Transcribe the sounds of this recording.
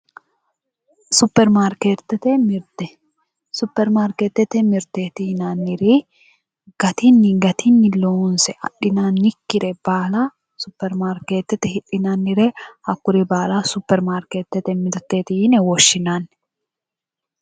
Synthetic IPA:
sʊpːɛɾmaːɾket̪ːɛt̪ɛmɪɾt̪ɛ | sʊpːɛɾmaːɾket̪ːɛt̪ɛmɪɾt̪eːt̪ɪhɪnanːɪɾi | ɡ̥ɐt̪inːɪɡɐt̪ʰinːɪlɔʊnsɛʔɐ̰ᶑɪnaːnːɪkːɪɾɛb̥aːla | sʊpːɛɾmaːɾkeːt̪ːɛt̪ɛhɪᶑɪnanːɪɾɛhɐkːʊɾibaːlaːsʊpːɛɾmaːɾkeːt̪ːɛt̪ɛmɪɾt̪eːt̪ɪɪnɛwɔʃːɪnaːn

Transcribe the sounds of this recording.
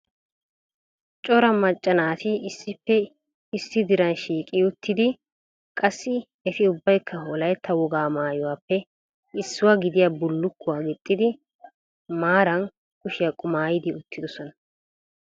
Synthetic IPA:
t͡ʃʼɔɾɐmɐt͡ʃʼːɐnaːt̪ɪɪsːɪpːɛ | ɪsːɪd̪ɪɾɐnʃiːkʼɪʊt̪ːɪd̪ɪ | kʼɐsːɪ | ɛt̪ɪʊbːɐjkʰːɐɦolɐjt̪ʰːɐwɔɡaːmaːjʊwaːpːɛ | ɪsːʊwaɡɪd̪ɪjabʊlːʊkːʊwaːɡɪt̪ʼːɪd̪ɪ | maːɾɐn | kʊʃɪjɐkʼʊmaːjɪd̪ɪʊt̪ʰːɪd̪ɔsɔnɐ

